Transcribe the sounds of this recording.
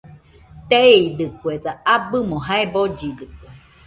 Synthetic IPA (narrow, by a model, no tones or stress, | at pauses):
t̪eid̪ɨkweðaabɨmoɦaebod͡ʒid̪ɨkʷe